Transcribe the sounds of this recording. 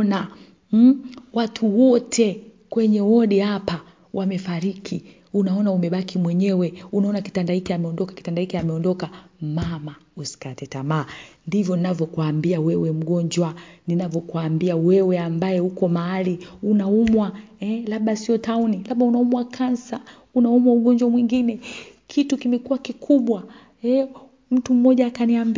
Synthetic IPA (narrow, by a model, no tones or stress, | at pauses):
na | watʰuwɔtʰɛ | kwɛɲɛwɔɗihapa | wʔamɛfaɾikʰi | unaɔnaumɛɓakimwɛɲɛwɛunaɔnaki̥tandahikiamɛɔndɔkḁki̥tandaikiamɛɔndɔkamamausi̥katɛtamaːndivjɔninavjɔkuaːmbiawɛwɛm̩ɠɔɲd͡ʒwaninavjɔkuaːmbiawɛwɛambajɛhukɔmaaliunaumwaɛlaɓasiɔtaunilaɓaunaumwakʰansa | unaumwauɠɔɲd͡ʒwamwiŋɡinɛkʰitukimɛkuwakikuɓwa | ɛ | m̩tum̩ːɔʄaːkaniamb